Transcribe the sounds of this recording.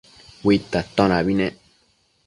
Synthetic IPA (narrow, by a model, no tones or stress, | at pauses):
wit̪ːat̪ɔ̃nabinɛ̃